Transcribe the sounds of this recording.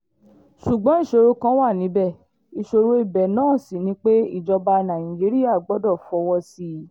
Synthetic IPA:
ʃu˨ɡ͡bɔ̃˨˦i˦˨ʃo˧ɾo˧kã˦wa˦˨nĩ˨˦bɛ˦˨ | i˨ʃo˧ɾo˧˦i˦˨bɛ˨nãː˦˨si˨nĩ˦k͡pe˦ḭ˦˨d͡ʒɔ˧ba˧nã˨ĩ˨d͡ʒi˨˦ɾi˦ja˦˨ɡ͡bɔ˦dɔ˦˨fɔ˧˦wɔ˧si˧

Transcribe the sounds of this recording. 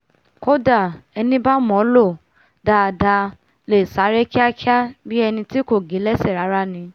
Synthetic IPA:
ko˦da˦˨ɛ˧nĩ˦ba˦mɔ̃˨˦lo˦˨ | da˧˨da˧ | le˨sa˨˦ɾɛ˦ki˦a˦ki˦a˦bi˦ɛ˧nĩ˧ti˦ko˦˨ɡe˨˦lɛ˦sɛ˦˨ɾa˨˦ɾa˦nĩ˧

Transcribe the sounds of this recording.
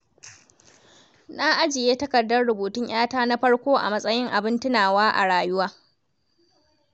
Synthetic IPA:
na˦ʔa˦d͡ʒɪ˨jeː˦tɐ˦kɐ˨dːɐ˦rɽʊ˨buː˨tʊ˦ɲj̰aː˦taː˦na˦ɸɐ˦ɽkʷoː˦ʔa̰˨mɐ˦sʼɐ˦jɪ˦ŋʔa˨bɪ˦ntɪ˦naː˨waː˦ʔa̰˨ɽaː˨jʊ˦waː˦

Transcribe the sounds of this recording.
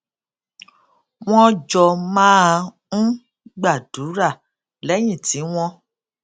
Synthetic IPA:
w̃ɔ̃˦d͡ʒɔ˧mãː˦˧ | n̩˦ | ɡ͡ba˦˨du˨˦ɾa˦˨ | lɛ˨˦j̃ĩ˦˨ti˨˦w̃ɔ̃˧

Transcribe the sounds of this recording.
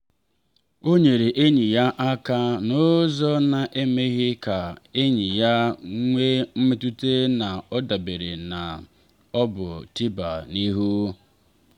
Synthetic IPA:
o˦ɲe˨ɾe˨ʔe˦ɲi˨ja˦ʔa˦ka˦nʊ˦zɔ˦na˨ʔe˦me˦ɣɪ˦ka˨e˦ɲi˨ja˦ŋʷe˦m̩˦me˦tu˦te˦na˨ɔ˦da˨be˨ɾḛ˨na˨ | ɔ˦bʊ̰˨ti˦ba˨ni˦ɦu˦

